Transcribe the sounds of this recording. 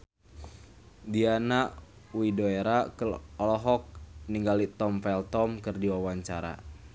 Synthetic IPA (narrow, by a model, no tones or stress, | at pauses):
dianaʔ | widoeɾakɔlɔɦɔk̚niŋɡalit̪ɔmfɛlt̪ɔmkɨrdiwawaɲt͡ʃaɾa̰